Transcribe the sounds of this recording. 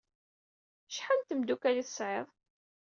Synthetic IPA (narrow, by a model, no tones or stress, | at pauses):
ʃħant̪əmd̪ukæliθə̥sʕeðˤ